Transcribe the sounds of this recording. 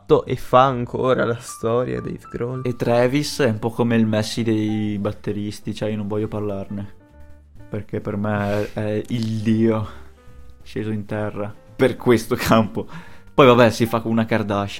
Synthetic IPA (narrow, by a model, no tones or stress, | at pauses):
t̪ːoʔefːaːŋkʰoːɾalast̪ɔːɾja̰d̪ḛjviɡɾolet̪ːɾɛːvisɛumpɔkːomeilmɛsːid̪ejbat̪ːeɾist̪it͡ʃoɛionõɱvɔʎːoparlarne | perk̟epːermeɛɛild̪iːo | ʃeːzoint̪ɛrːaperkwest̪okʰampopɔjvabɛsifaunakard̪at͡ʃa